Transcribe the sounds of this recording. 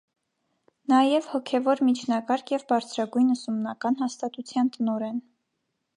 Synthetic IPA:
nɑjɛvhɔkʰɛvɔɾmit͡ʃʰnɑkɑɾkʰjɛvbɑɾt͡sʰɾɑɡujnəsumnɑkɑnhɑst̪ɑt̪ut͡sʰjɑnt̪ənɔɾɛn

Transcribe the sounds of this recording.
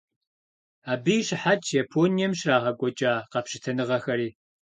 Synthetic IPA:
aːbɨjɕɪħatʰjapʰoːnijɛmɕraːʁɐkʷʼɔt͡ʃʼaːqɐpɕɪtʰɐnɨʁɐxɐɾiː

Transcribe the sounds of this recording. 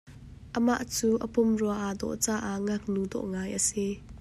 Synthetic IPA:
ʔəma̰ʔt͡suːʔəpʊmruaʔad̪ɔ̰ʔt͡saːʔaʔŋak̚nud̪ɔ̰ʔŋaːjʔəsi

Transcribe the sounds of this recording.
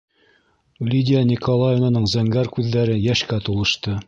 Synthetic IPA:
lʲidʲɪanʲikolˠajonanɤɴzæŋɡæɾkʉðːæɾɘjæʃkæt̪olˠɤ̆ʃt̪ɤ

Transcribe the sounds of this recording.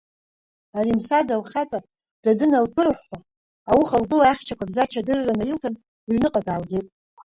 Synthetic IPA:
aɾimsadalχat͡sʼa | d̥adɨnalpʰɨrħʷːa | awuχalbɨlaaχʲt͡ʃʰakʷʰabzat͡ʃʰadɨrːanajiltʰan | ɥnɨqʼadʼalɡʲetʼ

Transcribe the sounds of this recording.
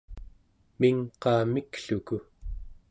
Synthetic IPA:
miŋqɑːmikɬuku

